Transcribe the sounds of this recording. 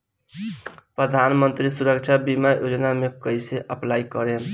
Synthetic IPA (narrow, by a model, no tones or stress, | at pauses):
pɾəd̪ʱanmənt̪ɾisuɾək̚t͡ʃʰabimajod͡ʒnamekʌjseʔəplajkʌɾen